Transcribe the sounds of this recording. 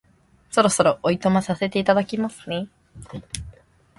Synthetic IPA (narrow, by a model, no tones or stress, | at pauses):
so̞ɾo̞so̞ɾo̞ʔoit̪o̞masase̞t̪e̞it̪ad̪akʲimasɨne̞